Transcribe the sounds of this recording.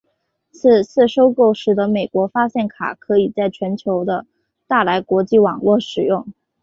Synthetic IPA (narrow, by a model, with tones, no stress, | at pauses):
t͡s̩ʰ˥˧t͡sʰɹ̩˥˩ʂo˥ʊko˥˩ʊʂɻ̩˧˥d̪ə˧me˨˩ɪkwɔ˧˥fa˥ɕjɛ˥˩nkʰa̰˨˩kʰɤ˧˥i˨˩t͡sa˥˩ɪt͡ɕʰɥɛ˧˥nt͡ɕʰjo˧˥ʊd̪ə˧ | t̪a˥˩la˧˥ɪkwɔ˧˥t͡ɕi˥˩wɑ˨˩ŋlwɔ˥˩ʂɻ̩˨˩jʊ˥˩ŋ